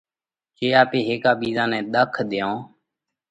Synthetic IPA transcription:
t͡ʃeːaːpeːɦeːkaːɓiːzãːnɛ̃ːɗ̪əkʰd̪ɪjõː

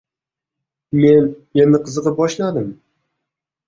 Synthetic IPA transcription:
menjenɪqʰɨzɨqɨbɒʃlad̪ɪm

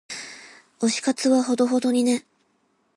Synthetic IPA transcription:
o̞ɕi̥kat͡sɨβaɦo̞d̪o̞ɦo̞d̪o̞ɲ̟ine̞

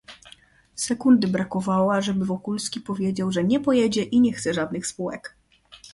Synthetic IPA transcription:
sɛkund̪ɘbɾakɔvawaʐɛbɘvɔkulskʲipɔvʲjed͡ʑawʐɛɲɛpɔjɛd͡ʑɛʔiɲɛxt̪sɛʐad̪nɘxspuwɛk

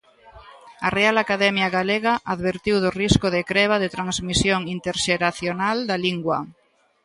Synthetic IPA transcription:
arealakaðɛmjaɣaleɣaʔaðβeɾt̪iwðʊriskʊðekɾɛβaðet̪ɾaŋzmisjoŋint̪eɾʃeɾaθjonald̪aliŋɡwa

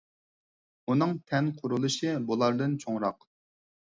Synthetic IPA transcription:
unɨŋt̪ʰɛnqʰʊɾulˠɨʃɨbulˠɑɾd̪ɨnt͡ʃʰoŋɾɑq

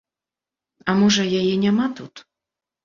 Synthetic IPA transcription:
ɐmɔʐɐjajɛnʲamat̪ut̪

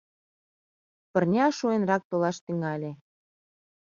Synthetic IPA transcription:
pɤ̆rnʲɑʃuenrɑk̚t̪olɑʃt̪yŋɑlʲe

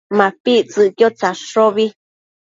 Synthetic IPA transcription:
mãpit͡sɨkjot͡saʂoβi

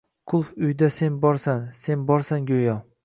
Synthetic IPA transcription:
qʰʊlˠfʊjd̪ase̞nbɒɾsanse̞nbɒɾsaŋɡʲojɒ

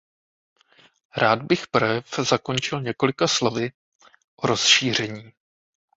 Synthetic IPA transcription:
ɾaːd̪bɪxpɾɛfzako̞nt͡ʃɪlɲɛko̞lɪkaslo̞vɪ | ʔoɾo̞sʃiːr̝ɛɲiː

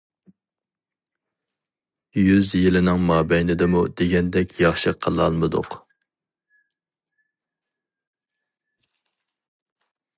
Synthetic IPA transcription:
jyzjɪlɪnɪŋmɑːbɛjnɪd̪ɪmud̪eɡʲɛnd̪ɛkʲjɑχʃɨqʰəlˠɑlˠmɨd̪ʊ̰q

